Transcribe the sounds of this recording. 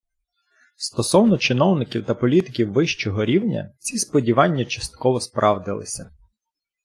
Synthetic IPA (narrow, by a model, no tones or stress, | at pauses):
st̪ɔsɔwnɔt͡ʃɪnɔwnɪkʲiwt̪ɐpɔlʲit̪ɪkʲiwːɪʃt͡ʃɔɦɔɾʲiwnʲɐ̰t͡sʲispɔdʲiʋɑnʲːɐt͡ʃɐst̪̚kɔʋɔspɾʔɑwd̪ɪ̰lˠɪ̰sʲɐ